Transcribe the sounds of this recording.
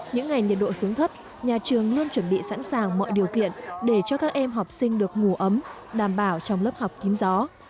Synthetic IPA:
ɲɨ̰˧˥ŋːa˨˩jŋɲi˨˩t̚ɗo̰˧˨su˨˦əŋt̪ʰə˦˥p̚ | ɲaː˨˩t͡ɕɨ˨˩əŋlu˧ənt͡ɕwə˧˩nɓḭ˧˨sa̰˧˥nsaː˨˩ŋmɔ̰˧˨jɗi˨˩əwkḭ˧˨ənɗe˧˩t͡ɕɔ˧kaː˦˥k̚ʔɛ˧mɦa˨˩wk͡p̚sï˧ŋ̟ɗɨ˨˩ək̚ŋu˧˩əʔə˨˦m | ɗaː˧˩mɓaː˧˩wt͡ɕɔ˧wŋ͡mləː˦˥p̚ha˨˩wk͡p̚t̪i˨˦ŋ̟zɔ˨˦

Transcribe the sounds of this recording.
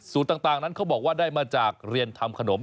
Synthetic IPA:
suː˨˦nt̪aː˨˩t̪aː˨˩ŋna˦˥nkʰa˦˥wbɔː˨˩k̚waː˥˩daː˥˩jmaː˧t͡ɕaː˨˩k̚ɾi˧ənt̪ʰa˧mkʰa˧no˩˦m

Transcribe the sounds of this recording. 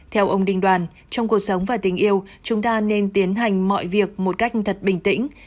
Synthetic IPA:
t̪ʰɛ˧wʔə˧wŋ͡mɗï˧ŋ̟ɗwaː˨˩n | t͡ɕɔ˧wŋ͡mku˨˩ək̚sə˨˦wŋ͡mvaː˨˩t̪ï˨˦ŋ̟ʔi˧əwt͡ɕʊ˨˦ŋ͡mt̪aː˧ne˧nt̪i˨˦ənɦa˨˩jŋ̟mɔ̰˧˨jvi˨˩ək̚mo˨˩t̚ka˦˥k̟̚t̪ʰə˨˩t̚ɓï˨˩ŋ̟t̪ḭ̈˧˥ŋ̟

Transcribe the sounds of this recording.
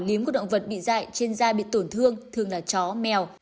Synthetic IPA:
li˨˦əmk̚ːɗə̰˧˨ŋ͡mvə˨˩t̚ɓḭ˧˨za̰ː˧˨jt͡ɕe˧nzaː˧ɓḭ˧˨t̪o˧˩nt̪ʰɨ˧əŋt̪ʰɨ˨˩əŋlaː˨˩t͡ɕɔ˨˦mɛ˨˩w

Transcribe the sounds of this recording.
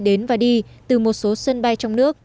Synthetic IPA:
ɗe˨˦nvaː˨˩ɗi˧t̪ɨ˨˩mo˨˩t̚so˨˦sə˧nɓa˧jt͡ɕɔ˧wŋ͡mnɨ˦˥ək̚

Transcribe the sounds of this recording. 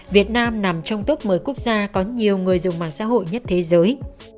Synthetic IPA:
vi˨˩ət̚naː˧mna˨˩mt͡ɕɔ˧wŋ͡mt̪u˦˥p̚məː˨˦jku˦˥ək̚zaː˧kɔ˨˦ɲi˨˩əwŋɨ˨˩əjzʊ˨˩ŋ͡mma̰ː˨˩nsa̰ː˧˥ɦo̰˧˨jɲə˦˥t̚t̪ʰe˨˦zəː˨˦j

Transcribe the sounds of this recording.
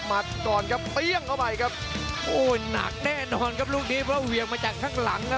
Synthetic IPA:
ma˨˩t̪̚kɔː˨˩nkʰa˦˥ppi˧˩əŋkʰa˧˩wpa˧jkʰa˦˥p̚ʔoː˧˩jna̰˨˩k̚nɛː˥˩nɔː˧nkʰa˦˥p̚luː˥˩k̚niː˨˦˥pʰɾɔ˦˥˩wi˨˩ək̚maː˧t͡ɕaː˨˩kʰːaː˥˩ŋla˩˦ŋkʰa˦˥

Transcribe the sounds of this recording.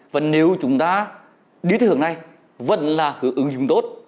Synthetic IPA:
vaː˨˩ne˨˦wt͡ɕʊ˨˦ŋ͡mt̪aː˧ | ɗi˨˦ɨ˨˩əŋna˧˩j | və̰˧˨nlaː˨˩hɨ˨˧˩əŋʔɨ˨˦ŋzʊ˨˧˦ŋ͡mt̪o˦˥t̚

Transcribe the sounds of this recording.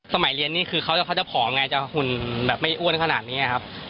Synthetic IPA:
sa˧ma˩˦jli˧ənːiː˦˥kʰɯː˧kʰa˦˥wt͡ɕa˨˩kʰa˦˥˩t͡ɕa˨˩pʰɔː˩˦ʔa˧ŋa˧jt͡ɕa˨˩hu˨˩nbɛː˨˩p̚ma˥˩jʔuː˥˩ənkʰa˧naː˨˩t̪̚niː˦˥a˧˨kʰa˦˥p̚

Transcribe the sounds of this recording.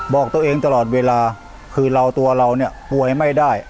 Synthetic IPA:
bɔː˨˩k̚t̪u˧əʔeː˧ŋt̪a˧lɔː˨˩t̪̚weː˧laː˧ | kʰɯː˧ɾa˧wt̪u˧ɐɾa˧wni˥˩əpu˨˩əjma˥˩jdaː˥˩j

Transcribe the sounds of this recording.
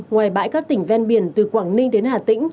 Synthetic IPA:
ŋwaː˨˩jɓa̰ː˧˥jkaː˦˥k̚t̪ï˧˩ŋ̟vɛ˧nɓi˧˩ənt̪ɨ˨˩kwaː˧˩ŋnï˧ŋ̟ɗe˨˦nhaː˨˩t̪ï˧˥ŋ̟

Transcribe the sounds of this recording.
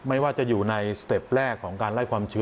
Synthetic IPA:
ma˥˩jwaː˥˩t͡ɕa˨˩juː˨˩na˧jst̪e˨˩p̚ɾɛː˥˩kʰːɔː˩˦ŋkaː˧nla˥˩jkʰwaː˧mt͡ɕʰɯ˧˦˥

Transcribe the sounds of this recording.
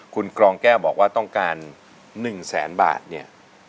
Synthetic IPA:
kʰu˧nkɾɔː˧ŋkɛː˥˩wbɔː˨˩k̚waː˥˩t̪ɔ˥˩ŋkaː˧nː | ɯ˨˩ŋsɛ̰ː˩˦nba̰ː˨˩t̪̚ni˥˩ɐ

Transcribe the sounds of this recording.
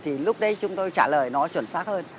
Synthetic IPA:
t̪ʰi˨˩lʊ˦˥k͡p̚ɗə˨˦jt͡ɕʊ˨˦ŋ͡mt̪o˧jt͡ɕaː˧˩ləː˨˩jnɔ˨˦t͡ɕwə̰˧˩nsaː˦˥k̚həː˧n

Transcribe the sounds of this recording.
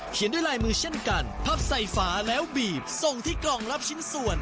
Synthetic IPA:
kʰi˩˦ndu˥˩˨jlaː˧jmɯː˧t͡ɕʰe˥˩nka˧npʰaː˦˧˩p̚sa˨˩jfaː˩˦lɛː˦˥wbiː˨˩p̚so˨˩ŋt̪ʰiː˥˩klɔː˧˩ŋɾa˦˥p̚t͡ɕʰi˦˥nsu˨˩ən

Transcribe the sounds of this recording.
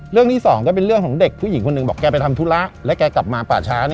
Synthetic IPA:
ɾɯ˥˩əŋt̪ʰiː˥˩sɔː˩˦ŋkɔː˥˩p̬e˧nɾɯ˥˩əŋkʰɔː˩˦ŋde˨˩k̚pʰuː˥˩ji˩˦ŋkʰo˧nːɯ˨˩bɔː˨˩kːɛː˧p̬a˧jt̪ʰa˧mt̪ʰu˦˥la˦˥ʔlɛ˦˥kɛː˧ka˨˩p̚maː˧pa̰ː˨˩t͡ɕʰaː˦˥n˦˧

